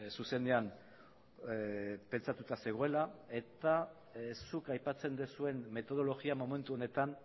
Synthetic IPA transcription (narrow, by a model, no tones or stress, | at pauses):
suse̞nd̪e̞an | pe̞nt͡sat̪ut̪ase̞ɣ̞oe̞lae̞t̪a | ssukajpat͡se̞nd̪esue̞nːe̞t̪o̞ð̞o̞lo̞ɣiamo̞me̞nt̪uo̞ne̞t̪an